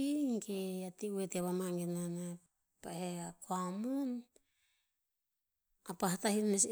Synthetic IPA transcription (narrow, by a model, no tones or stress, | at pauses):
ikeatiueteaβamaŋɡenana | paheakoamun | apaɦatahiɾmes